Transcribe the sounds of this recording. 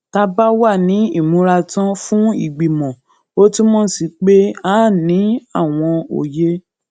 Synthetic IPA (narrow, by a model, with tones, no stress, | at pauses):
ta˧ba˦wa˦˨nĩ˨˦i˦˨mũ˨˦ɾa˧tã˦fũ˦i˦˨ɡ͡bi˨mɔ̃˨ | o˦ti˦mɔ̃˦si˧k͡pe˦aː˦˨nĩ˨˦a˦˨w̃ɔ̃˧o̰˨je˦